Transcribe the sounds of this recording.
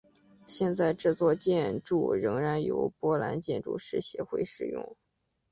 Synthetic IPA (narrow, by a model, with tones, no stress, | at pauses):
ɕjɛ˥˧nt͡sa˥˧ɪʈ͡ʂɤ˥˧t͡swɔ˥˧t͡ɕjɛ˥˧nʈ͡ʂṵ˥˩ɻɤ˧˥ŋɻa˧˥njo̰˧˥ʊpwɔ˥la̰˧˥nt͡ɕjɛ˥˧nʈ͡ʂṵ˥˩ʂɻ̩˥˩ɕjɛ˧˥xwe˥˧ɪʂɻ̩˨˩jʊ̰˥˩ŋ